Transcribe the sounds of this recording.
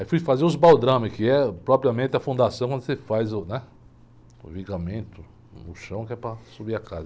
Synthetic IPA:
aifujfazeɾʊzbawd̪ɾɐ̃mɐkɪɛpɾɔpɾiɐmẽnt̪ɪɐfũnd̪asɐ̃kɐ̃d̪sefajzʊnɛ | ʊ̰viɡamẽnt̪ʊ | nʊʃɐ̃w̃kɪɛpɾɐsubiɐka̰zɐ

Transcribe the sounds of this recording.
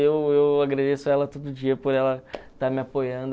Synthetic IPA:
ewewaɡɾad̪esʊɛlɐt̪od̪ʊʊd͡ʒiɐpoɾɛlɐt̪aɾmɪapojɐ̃nd̪

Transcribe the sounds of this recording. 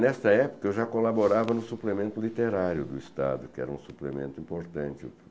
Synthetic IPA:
nɛst̪ɐɛpʊ̥kɐewʒakolaboɾavɐnʊsuplemẽnt̪ʊlit̪eɾaɾjʊd̪ʊist̪a̰d̪ʊkɪɛ̰ɾɐũsuplemḛ̃nt̪ʊĩmpoɾt̪ɐ̃nt͡ʃɪʊ̰

